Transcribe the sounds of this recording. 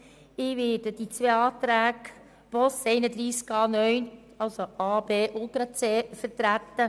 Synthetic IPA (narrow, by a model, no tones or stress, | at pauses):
ɪʋɪːɾdəd̥it͡sʋeːɑːt̪ɾæːɡ | b̥ɔsɛɪnəd̪ɾiːskɑːnœɥn | ɑlsoʔɑːbeːʔʊltɾɑt͡seːfəɾtɾæt̪ːə